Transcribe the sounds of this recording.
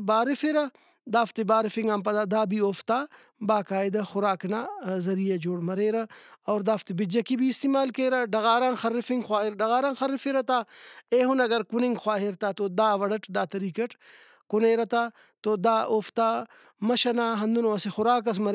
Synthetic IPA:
baːɾifeɾɐ | d̪aːft̪ibaːɾifiŋɡɐmpɐd̪aːd̪aːbioːft̪aː | baːkaːjd̪ɐxʊɾaːknaːzɐɾijɐd͡ʒoːɽmɐɾeːɾɐɐːɾd̪aːft̪ibid͡ʒɐkibiːst̪iːmaːlkeːɾɐɖɐɣaːɾaːnxɐɾːifiŋɡxwaːɦiɾɖɐɣaːɾaːnxɐɾifeɾɐt̪aːeːɦunɐɡɐɾkunĩŋɡxwaːɦiɾt̪aːt̪od̪aːʋɐɽɐʈd̪aːt̪ɐɾiːkɐʈ | kuneːɾɐt̪aː | t̪od̪aːʔoːft̪aː | mɐʃɐnaːɦɐnd̪unoɐsexʊɾaːk̬ɐs̬mɐɾ

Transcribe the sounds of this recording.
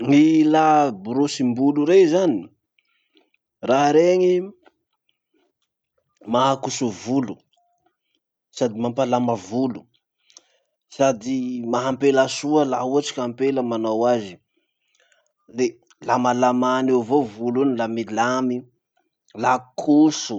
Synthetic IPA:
ŋilabuɾosimbuluɾezani | raɦɾeɲi | maakusuvulu | sad̪imampalamavulu̥ | sad̪imaɦampelasuəlauaʈ͡ʂi̥kʲampeləmanawazi | le | lamalamanewvovulunilamilami | lakʰusu

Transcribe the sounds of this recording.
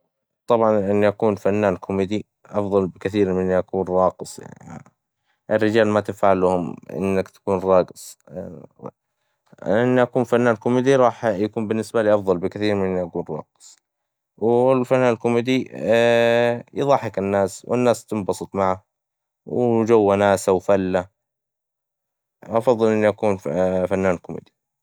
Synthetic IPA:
t̪ˤɑbʕɑnʔɪnːiʔakuːnfanːaːnkʰʊmɪd̪i | ʔɑfðˤɑlbɪkaθiːɾmɪnːiʔakuːnɾˤɑːqɨsˤja̰ʕni | ʔɪrːɪd͡ʒaːlmat̪ɪfaʕalʊhʊmʔɪ̰nːakt̪ḁkuːnɾˤɑːɡɪ̥sˤ | ʔɪnːiʔakuːnfanːaːnkʊmid̪iɾˤɑːħjakuːmbɪnːɪsbaliːʔɑfðˤɑlbɪkaθiːɾmɪnːʔakuːnɾˤɑ̰ːqɨ̥sˤ | wlfanːaːnɪlkʊmid̪i | jɨðˤɑħɪkɪnːaːswɪ̰nːaːst̪ɪmbɑsˤɨt̪ˤmaʕa | wd͡ʒawːanaːsawfalːa | ʔɑfɑðˤːɨlʔɪnːiʔakuːnfanːaːnlkʊmḭd̪i̥

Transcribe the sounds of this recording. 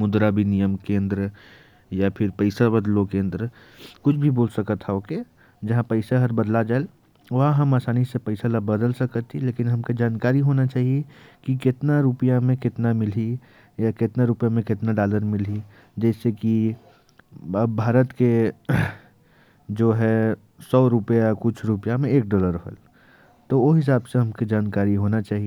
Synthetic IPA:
mʊd̪ɾabʱinijəmkẽːnd̪ɾə | japʰɪɾpəɪsabɐd̪lokẽːnd̪ɾə | kʊt͡ʃʰbʱiboːlsɐkət̪hɛoːke | d͡ʒɐɦãpəɪsaɦɐɾbɐd̪lad͡ʒaːel | ʋɐɦaɦɐmaːsaːnisepɐɪsalabɐd̪əlsɐkət̪ːileːkɪnɦɐmked͡ʒaːnkaːɾiɦoːnat͡ʃaːɦiekikɪt̪naɾupijamẽkɪt̪namɪli | jakɪt̪naɾupjamẽkɪt̪naɖaːləɾmɪli | d͡ʒɛːseki | ɐbbʱaːɾət̪ke | d͡ʒoːɦɛ | sɔːɾʊpjakʊt͡ʃʰɾʊpəjamẽeːk̚ɖɔːləɾəɦə̰l | t̪oʋoɦɪs̬aːbseɦɐmkid͡ʒaːnkaːɾiɦoːnat͡ʃaːɦi

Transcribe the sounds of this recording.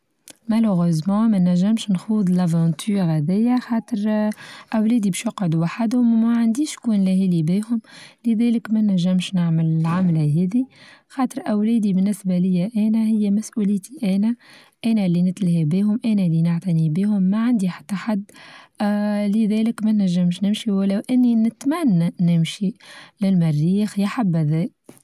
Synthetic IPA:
mæləɣøzmɑ̃ːmænːæʒːɪmʃnxuːðˤlævɑ̃t̪ʰyːɾhæðɪjːaxɑːt̪əɾʔæwlɛːd̪ibɪʃjɑqʕod̪uwaħad̪hʊmwæʕand̪iːʃkuːnlæɦilibiːhʊmleðɛːləkmænːæʒːɪmʃnaʕməlɪlʕamlæɦɛːðixɑːt̪ˤɨɾˤʔæwlɛːd̪ibɪnːɪsbælɪjːæʔɛːnæhɪjːæmæsʔuːlɪːt̪ʰiʔɛːnæ | ʔæːnælːinɪt̪lahibiːhʊmʔæːnælːinɪʕt̪ænibiːhʊmːaʕand̪iħḁt̪ːaħad̪ː | lɪðɛːlɪkmænːæʒːɪmʃnɪmʃiwælːæwʔɪnːinɪt̪mænːnɪmʃilɪlmarːiːxjaħabːæðɛːk

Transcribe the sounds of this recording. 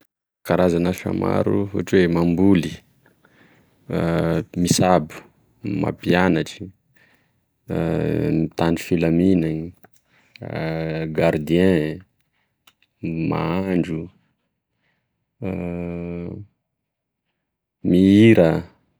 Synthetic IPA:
kaɾazanafa̰ma̰ɾṵɦṵʈ͡ʂwemambuli | misabu̥ | ma̰pianaʈ͡ʂi̥ | mit̪ani̥filaminani | ɡaɾd̪iɛ̃ | ma̰aɳɖ͡ʐu | miiɾə

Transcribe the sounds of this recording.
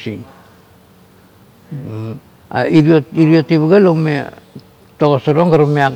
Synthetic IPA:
si | a̰iɾioiɾiotiβaɡalome | toɣosaɾoŋɡaɾamea

